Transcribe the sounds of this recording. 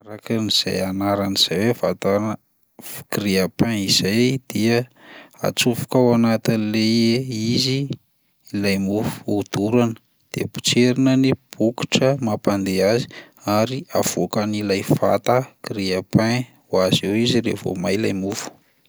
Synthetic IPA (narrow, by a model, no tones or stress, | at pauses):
ɾakaniz̥a̰janaɾaniz̥aweva̰t̪an | ɡiɾiapãiz̥ajd̪̥iəa̰t͡sufu̥kawanat̪inileeiziː | lajmufu̥ud̪uɾanə̥ | d̪̥ḛpu̥t͡ʃeɾinənib̥uki̥ʈ͡ʂəmapand̪eazi̥ | aɾiav̥okanilajfa̰t̪akiɾiapã | wazewiziɾḛvo̰majilajmufu̥